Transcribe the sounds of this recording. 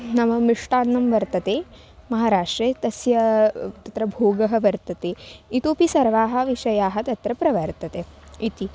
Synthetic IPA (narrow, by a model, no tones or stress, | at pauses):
nɐmɐmiʂʈaːnːɐmʋɐɾt̪ɐt̪eː | mɐɦaːɾaːʂʈɾeːt̪ɐsjɐt̪ɐt̪ɾɐbʱoːɡɐɦɐ̆ʋɐɾt̪ɐt̪eːit̪oːpisɐɾʋaːɦɐ̆ʋiʃɐjaːɦɐt̪ɐt̪ɾɐpɾɐʋɐɾt̪ɐt̪eːit̪i